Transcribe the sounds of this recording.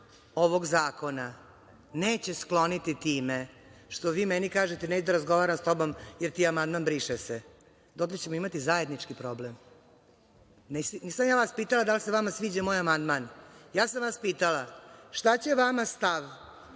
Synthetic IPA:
oʋo̞ɡzaːko̞na | neːt͡ɕe̞sklo̞nit̪it̪iːme | ʂt̪o̞ʋiːmenikaːʒet̪eneːt͡ɕed̪aɾazɡo̞ʋaːɾamst̪o̞bo̞mjeɾt̪iːamand̪manbɾiːʃese | d̪oklet͡ɕemoimat̪izae̞d̪nit͡ʂkipɾo̞blem | nesnisamjaːʋaspiːt̪alˠad̪aliseʋamasʋiːd͡ʑamo̞ːjamand̪manjaːsamʋaspiːt̪alaʃt̪at͡ɕe̞ʋamast̪aʋ

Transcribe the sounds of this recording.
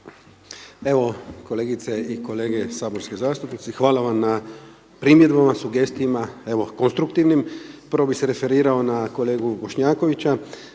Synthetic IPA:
e̞ʋo̞ko̞le̞ːɡit̪seiko̞le̞ːɡe̞saːbo̞ɾske̞zaːst̪upnit̪sixʋaːlaʋamna | pɾimjed̪bamasuɡe̞st̪ijimae̞ʋo̞konst̪ɾukt̪iʋnimpəɾʋobixseɾe̞fe̞ɾiːɾao̞nako̞le̞ːɡubo̞ʃɲaːko̞ʋit͡ɕa

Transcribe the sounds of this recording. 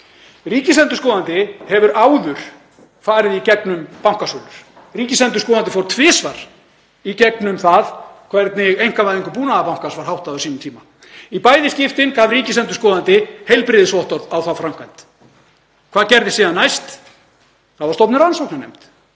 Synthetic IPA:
riːcɪslɛnt̪ʏskɔːðant̪ɪhɛvʏɾaːwðʏɾ̥ | faːɾɪðicɛknʏmpawŋ̥kasoːlʏɾ̥ | riːcɪsɛnt̪ʏ̥skɔːðant̪ɪfowɾt̪ʰvɪːsvaɾ̥ | icɛknʏmθaðkʰvɛɾt̪nɪɣejŋ̥kavajðiŋkʏpuːnaðapawŋ̥kasvaɾ̥hawht̪aðœsiːnʏmt̪ʰiːma | ipaːjðɪscɪft̪ɪnkavriːcɪsɛnt̪ʏskɔːðant̪ɪhejlpɾɪðɪsvɔht̪ɔɾðawθawfɾam̥kajn̥t̪ | kʰvaːðcɛɾðɪsiːðanːajst̪ | θaðvḁɾst̪ɔpnʏɾansɔwknanejm̥t̪

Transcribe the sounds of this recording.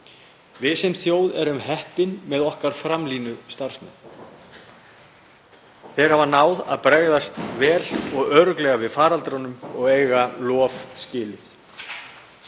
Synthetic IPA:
vɪðsɛmθjoːwðɛɾʏmɦɛhpɪnmɛðɔhkaɾ̥fɾamliːnʏst̪aɾ̥smɛ̰n | θeːjɾavaɾnaːwða̰ðpɾɛɣðast̪vɛːlɔɣœːɾʏklɛɣavɪðfaːɾalt̪ɾanʏmɔɣeːjɣalɔːvscɪːlɪθ

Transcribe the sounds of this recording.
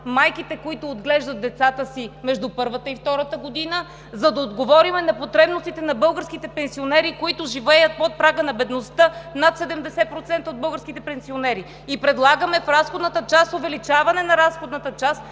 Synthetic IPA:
majkit̪ɛkoit̪ʊːd̪ɡlɛʒd̪ɐt̪̚d̪ɛt̪sat̪əsimɛʒd̪upɤɾvət̪əift̪ɔɾət̪əɡod̪inə | zɐd̪ɐod̪ɡovɔɾimɛnɐpot̪ɾɛbnost̪it̪ɛnɐbɤlˠɡəɾskit̪ɛpɛnsionɛɾikoit̪ʊʒivɛjət̪̚pot̪̚pɾaɡənɐbɛd̪nost̪ənat̪sɛd̪ɛmd̪ɛsɛpɾot̪sɛnt̪əod̪̚bɤlˠɡəɾskit̪ɛpɛnsionɛɾi | ipɾɛd̪lˠaɡəmɛfɾasxod̪nət̪ət͡ʃast̪ovɛlit͡ʃavɐnɛnɐɾasxod̪nət̪ət͡ʃast̪

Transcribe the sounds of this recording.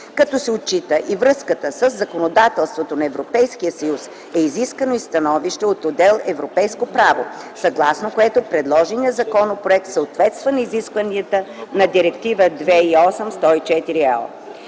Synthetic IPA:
kɐt̪ɔsɛot̪̚t͡ʃit̪əʔivɾɤskət̪əsəzːɐkonod̪at̪ɛlˠst̪vot̪onɐɛvɾopɛjskijəsɐjus | ɛiziskvənoist̪ɐnɔviʃt̪ɛot̪od̪ɛlˠɛvɾopɛjskopɾavo̰ | sɐɡlˠasnokoɛt̪opɾɛd̪lˠɔʒiniəzɐkɔnopɾoɛk̚t̪səot̪vɛt̪st̪vənɐiziskvəniət̪ənɐd̪iɾɛkt̪ivəd̪vɛiɔsəmst̪ɔit͡ʃɛt̪iɾiɛlˠ

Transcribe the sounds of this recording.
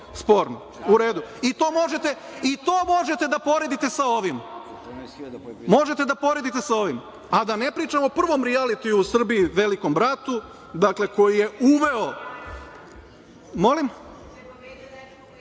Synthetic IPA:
spo̞ːɾno | uɾe̞ːd̪uit̪o̞ːmo̞ʒet̪e̞ | it̪o̞ːmo̞ʒe̞t̪e̞d̪apo̞ɾe̞d̪it̪e̞sao̞ʋim | mo̞ʒe̞t̪ed̪apo̞ɾe̞d̪it̪e̞sao̞ʋim | ad̪ane̞pɾiːt͡ʃamoopr̩ʋo̞mɾialit̪iusr̩biiʋe̞liko̞mbɾat̪u | d̪akle̞ko̞jije̞uʋe̞o | mo̞lim

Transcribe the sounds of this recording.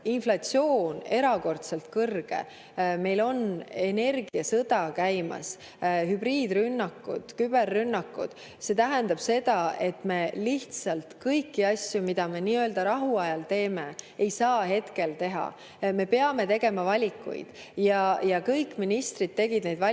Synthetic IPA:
inflɑtsio̞ːne̞ɾɑko̞rt̪se̞lt̪kɤrɡ̥e̞̰ | me̞jlo̞ne̞ne̞rɡiɑsɤd̪̥ɑkæjmɑ̰s | hybriːd̪rynːɑkːṵd̪̥kyb̥e̞rːynːɑkːˑṵd̪̥ | se̞t̪æɦænd̪ɑb̥se̞d̪̥ɑe̞t̪me̞liht̪sɑlt̪kɤjkːiɑsjumid̪̥ɑme̞niːøld̪ɑɾɑɦuɑjɑlt̪e̞ːmeːejsɑːɦe̞t̪ke̞lt̪e̞ɦɑ̰ | me̞peɑme̞t̪e̞ɡe̞mɑvɑlʲikːˑṵj̰d̪̥ | jɑjɑkɤjkːˑminist̪rid̪̚t̪ːe̞ɡ̥id̪nejd̪vɑ

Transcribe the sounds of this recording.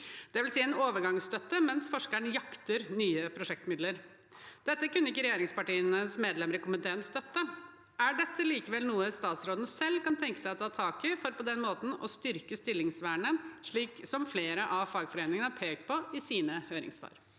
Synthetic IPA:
d̪̥ɛʋɪlsiːɛnoːʋəɾɡɑŋst̪œt̪ːəmɛnsfɔʂkæɳəjɑkt̪əɾnyːəpʰɾʊʂɛkt̪mɪd̪ləɾ | d̪̥ɛt̪ːəkʉnːəɪkːəɾɛjeːɾɪŋspɑʈiːənəsmeːd̪lɛməɾəkʊmənd̪eːɾənst̪œt̪ːə | æɖɛt̪ːəliːkəʋɛlnuːəst̪ɑːt̪sɾoːd̪nəsɛlːkɑnt̪ʰɛŋkə̥sæɪɔt̪ʰɑːt̪ʰɑːkɪfɔɾpɔd̪ɛnmoːt̪n̩ɔst̪ʏɾkəst̪ɪlːɪŋsʋæːɳəʂɭiːksɔmfleːɾəʔɑʋfɑːɡfɔɾeːnɪŋənəɑpʰeːkt̪̚pʰɔɪsiːnəhøːɾɪ̰ŋsʋɑ̰ːɾ

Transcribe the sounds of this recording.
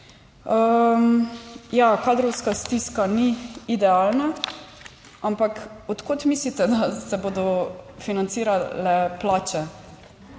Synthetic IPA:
əmjakaːd̪ɾɔwskast̪iskaniːd̪ɛaːlna | ampakɔt̪koːt̪mislit̪ɛd̪asɛboːd̪ɔfinant̪siːɾalɛplaːt͡ʃɛ

